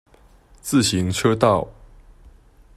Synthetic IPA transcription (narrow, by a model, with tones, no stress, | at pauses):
t͡sɹ̩˥˨ɕi˨˦ŋʈ͡ʂʰɤ˦t̪ɑ˥˨ʊ